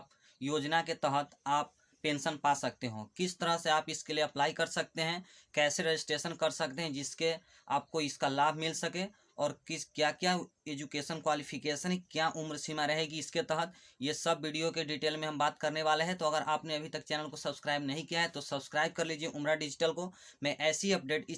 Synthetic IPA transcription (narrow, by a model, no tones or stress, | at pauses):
p | joːd͡ʒnaket̪ɐɦət̪aːp̚ː | ẽːnsənpaːsɐk̚t̪eɦõ̰ːkɪst̪əɾəɦseaːpɪskelieɐplaːikɐɾsɐk̚t̪eɦɛ̃ | kɛːseɾed͡ʒɪsʈɾeːʃənkɐɾsɐk̚t̪eɦɛ̃d͡ʒɪske | a̰ːp̚koɪskalaːbʱmɪlsɐke | ɔːɾkɪskjakjaeːd͡ʒukeːʃənkwaːlipʰɪkeːʃənkjaʔʊmɾsimaɾɐɦeɡiɪsket̪ɛɦət̪jesɐbːiːɖijokeɖiːʈeːlmẽɦɐ̃mbaːt̪kɐɾneʋaːleɦɛ̃t̪oɐɡəɾʔaːpneɐbʱit̪ɐkt͡ʃɛːnəlkosɐbskɾaːɪbnɐɦĩkijaɦɛt̪osɐbskɾaːɪb̚kɐɾliːd͡ʒieʔʊmɾaɖɪd͡ʒɪʈəlko | mɛ̃ʔɛːsiɐp̚ɖeːʈɪ